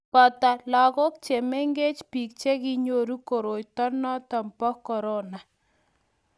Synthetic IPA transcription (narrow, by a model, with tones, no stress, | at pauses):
pɔ˨ta˨la˨kɔ˦k̚t͡ʃe˨me˦ŋɡe˦t͡ʃpi˨k̚t͡ʃe˦ki˦ɲo˦ɾu˦ko˨ɾo˨jtɔ˦nɔ˦ta˨mpɔ˦kɔ˨ɾo˦na˨